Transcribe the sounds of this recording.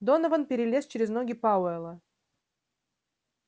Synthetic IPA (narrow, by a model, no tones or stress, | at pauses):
d̪onəvənpʲɪɾʲɪlʲest͡ɕɪɾʲɪzno̞ɡʲɪpaʊɛlˠə